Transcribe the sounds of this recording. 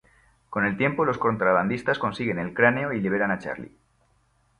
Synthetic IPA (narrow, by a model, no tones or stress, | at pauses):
ko̞ne̞lt̪je̞mpo̞lo̞sko̞nt̪ɾaβ̞and̪ist̪asko̞nsiɣe̞ne̞lkɾane̞oiliβe̞ɾanat͡ʃa̰ɾlḭ